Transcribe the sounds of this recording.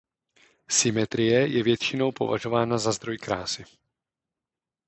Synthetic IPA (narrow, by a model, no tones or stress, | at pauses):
sɪmɛt̪ɾɪjɛjɛvjɛt̪t͡ʃɪno̞wpo̞̰va̰ʒo̞vaːnazazd̪ɾo̞jkɾaːsɪ